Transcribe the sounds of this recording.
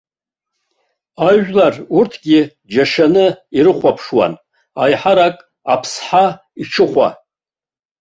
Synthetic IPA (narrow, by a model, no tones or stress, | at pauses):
aʒᶣlarurtʰɡʲɪ | d͡ʒaʂanɨiɾɨχʷapʰʂwa̰n | ajħaɾakʼ | apʰsħa | iʈ͡ʂʰɨχʷa̰